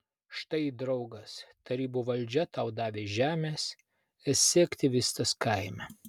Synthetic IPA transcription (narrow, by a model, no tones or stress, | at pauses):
ʃt̪ɐɪid̪ɾɐʊɡɐst̪ɐɾʲiːbuːʋɐlʲd͡ʒʲɛt̪ɑʊd̪ɑːʋʲeːʒʲæːmʲeːs | ɪsʲeːkʲt̪ʲɪʋʲɪst̪ɐskɐɪmʲɛ